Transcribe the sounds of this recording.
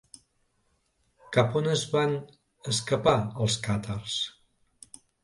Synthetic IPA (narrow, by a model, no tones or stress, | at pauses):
kapunəzβan | əskəpaəlˠskat̪ʰars